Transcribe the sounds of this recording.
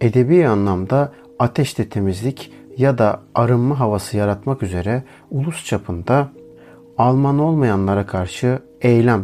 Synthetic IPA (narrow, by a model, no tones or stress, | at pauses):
e̞d̪e̞bijanlˠamd̪aː | t̪ʰɛʃt̪ʰɛt̪ʰe̞mizlʲic | jad̪aaɾɯmːaɦavasɯjaɾat̪makyze̞ɾɛ | ulˠust͡ʃʰapʰɯnd̪a | alˠmano̞lˠmajanlˠaɾakʰaɾʃɯ | ejlʲæm